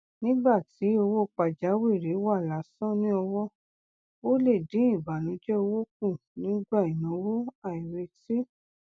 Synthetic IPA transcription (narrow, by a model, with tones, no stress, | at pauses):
nĩ˦ɡ͡ba˦˨ti˨˦o˧wo˦˨k͡pa˨d͡ʒa˨˦we˦˨ɾe˨˦wa˦˨la˨˦sɔ̃˦nĩ˦ɔ˧wɔ˦ | wo˦le˦˨dĩ˨˦ĩ˦˨ba˨nũ˨˦d͡ʒɛ˦o˧wo˦k̚ũ˦˨nĩ˨˦ɡ͡ba˦˨i˨nɔ̃˨˦wo˦a˨i˨ɾe˧ti˦